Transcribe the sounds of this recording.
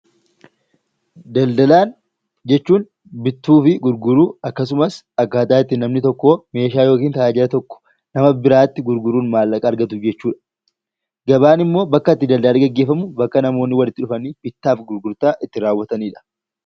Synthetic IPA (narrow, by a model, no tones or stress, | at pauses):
d̪ɐld̪ɐlaːn | d͡ʒɛt͡ʃːuːn | bɪt̪ːuːfɪɡʊɾɡʊɾuːɐkːɐs̬ʊmɐs | ɐkːaːt̪aːɪt̪ːɪːnɐmnɪt̪ɔkːo̞ːme̞ːʃaːjo̞ːk̬iːnt̪ɐʔaːd͡ʒɪɾɐt̪ɔkːɔ̥ | nɐmɐbɪɾaːt̪ːɪɡʊɾɡʊɾuːnmaːlːɐkʼɐːɾɡɐt̪ʊd͡ʒɛt͡ʃːuːᶑɐ̥ | ɡɐbaːnɪmːo̞ːbɐkːɐɪt̪ːɪd̪ɐld̪ɐllɪɡɐɡːe̞ːfɐmʊbɐkːɐnɐmo̞ːnːɪwɐlɪt̪ːɪᶑʊfɐniːbɪt̪ːaːfɡʊɾɡʊɾt̪aːʔɪt̪ːɪɾaːwːɐt̪ɐniːᶑɐ̥